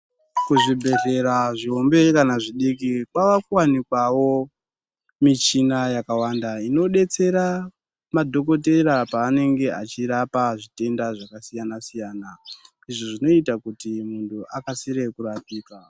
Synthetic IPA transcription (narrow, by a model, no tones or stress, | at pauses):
kuʐibʱe̞re̞ɾaʐio̞mbe̞kanaʐiɗik̬ikwaʋakuwanikwawo̞ | mit͡ʃinajakawandaino̞ɗe̞t͡se̞ɾa | madʱo̞k̬o̞t̬e̞ɾapaːne̞ŋɡe̞a̰t͡ʃiɾapaʐite̞ndaʐakasijanasijaːna | iʐoʐino̞itakutimuntʰuʔakasiɾe̞kurapiːka